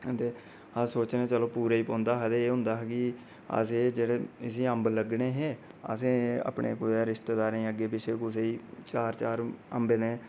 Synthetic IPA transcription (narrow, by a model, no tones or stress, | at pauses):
t̪eː | əsoːt͡ʃneːt͡ʃəloːpuːɾaːiːpõːnd̪aːɦɛd̪eeːɦʊ̃nd̪aːɦkɪ | ə̰seːd͡ʒeːɽeːɪsĩːəmbləɡɳeːɦeː | ə̰sẽːə̰ːpɳḛːkʊseːɾɪʃt̪eːd̪aːɾẽːəɡeːpɪʃʰeːkʊseːiːt͡ʃaːɾt͡ʃaːɾə̰mbeːneː